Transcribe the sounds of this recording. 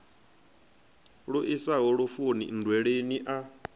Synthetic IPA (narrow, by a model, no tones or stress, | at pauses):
ɺoʔisaɦɔɺofonḭndwɛɺeniʔa